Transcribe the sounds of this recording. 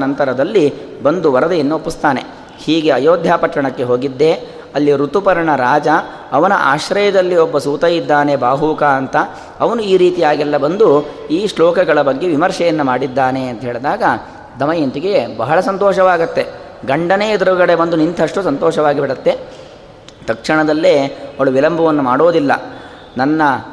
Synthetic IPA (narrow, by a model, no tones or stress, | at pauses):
nɐnt̪ɐɾɐd̪ɐlːi | bɐnd̪uʋɐɾɐd̪ɐjɐnːuopːist̪aːne̞ | hiːɡe̞ɐjoːd̪ʱjaːpɐʈːɐɳɐkːeɦo̞ːɡid̪ːe̞ | ɐlːiɾut̪upɐɾɐɳɐɾaːd͡ʒɐː | ʋɐnɐʔa̰ːʃɾɐjɐd̪ɐlːiɔbːɐsuːt̪ɐjid̪ːaːne̞baːɦuːkaɐnt̪ɐ | ɐʋɐnuiːɾiːt̪ijaːɡilːɐbɐnd̪uiːʂlɔːkɐɡɐɭɐbɐɡːe̞ʋimɐɾʂɛjɐnːumaːɽid̪ːaːne̞ɐnt̪ɐɦeːɭd̪aːɡɐ | d̪ɐmɐjɐnt̪iɡe̞bɐɦɐɭɐsɐnt̪ɔːʃɐʋaːɡɐt̪ːe̞ | ɡɐɳɖɐneːɐd̪ɾuɡɐɽe̞bɐnd̪unint̪ʰɐʂʈusɐnt̪ɔːʃɐʋaːɡibiɽɐt̪ːe | t̪ɐkʂɐɳɐd̪ɐlːeɐɐɭuʋilɐmbʱɐʋɐnːumaːɽo̞ːd̪ilːɐ | nɐnːɐ